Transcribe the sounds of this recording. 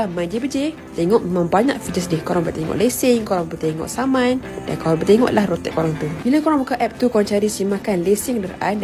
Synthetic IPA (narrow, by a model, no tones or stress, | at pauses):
mãnd͡ʒebəd͡ʒe | t̪ɛŋɔʔmemãŋbaɲa̰ʔfid͡ʒəs̬dɪhkoɾaŋbərt̪eŋɔ̰ʔlesɪŋkoɾaŋbərt̪eŋɔ̰ʔsamanda̰nkoɾaŋbərt̪eŋɔ̰ʔlahrot̪ɛ̰ʔkoɾaŋt̪ubilakoɾaŋbukaʔɛp̚t̪ukoɾaŋt͡ʃaɾisimakanlesɪŋkdəɾʔan